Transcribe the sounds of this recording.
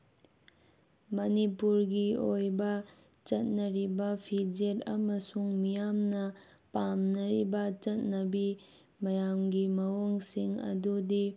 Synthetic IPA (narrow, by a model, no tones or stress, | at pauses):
mɐnipuɾɡiojbɐ | t͡ʃɐt̚nɐɾibɐpʰid͡ʒeɾɐmɐsuŋmijamnɐ | pamnɐɾibɐt͡ʃɐt̚nɐbi | mɐjamɡimɐwoŋsiŋɐ̰dudi